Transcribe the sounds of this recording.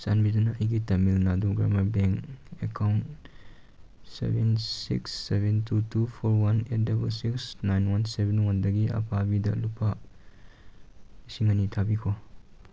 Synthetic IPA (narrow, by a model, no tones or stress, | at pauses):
sanbidunɐɐjɡitɐmilnaduɡɾa̰mɐɾbeŋkḛkʰawnt | sḛbensḭksːebentʰutupʰoɾwanet̚dabɐlsiksnajnwansebenwandɐɡiɐ̰pʰabidɐ̰lupʰa | isiŋɐnitʰabikʰo